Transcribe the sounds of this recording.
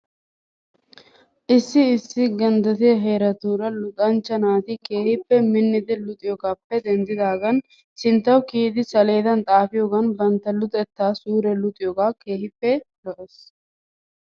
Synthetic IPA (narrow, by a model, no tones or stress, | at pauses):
ʔɪsːɪːsːɪɡɐnd̪ɐt̪ɪjɐɦeːɾɐt̪uːɾɐlʊt̪ʼɐnt͡ʃːɐnaːt̪ɪkeːhɪpːɛmɪnːɪd̪ɪlʊt̪ʼɪjoɡaːpːɛd̪ɛnd̪ɪd̪aːɡɐn | sɪnt̪ːɐwkiːd̪ɪsɐle̞ːd̪ɐnt̪ʼaːfɪjoɡɐnbɐnt̪ːɐlʊt̪ʼɛt̪ːaːsuːɾɛlʊt̪ʼɪjoɡaːke̞ːhɪpːɛlɔʔes